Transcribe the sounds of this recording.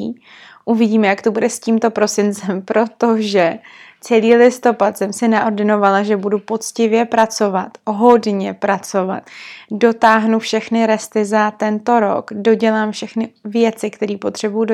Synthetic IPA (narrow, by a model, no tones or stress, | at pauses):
ʔuvɪɟiːmɛjakt̪obudɛsciːmt̪o̞pɾo̞sɪnt͡sɛmpɾo̞t̪oʒɛ | t͡sɛliːlɪst̪o̞pat̪sɛmsɪnaʔordɪno̞valaʒɛbudupo̞t͡scɪvjɛpɾat͡so̞vat̪ɦo̞dɲɛpɾat͡so̞va̰t̪do̞t̪aːɦnufʃɛxnɪɾɛst̪ɪzat̪ɛnt̪o̞ɾo̞̰kdo̞ɟɛlaːmfʃɛxnɪvjɛt͡sɪkt̪ɛɾiːpo̞t̪r̝̥ɛbujudo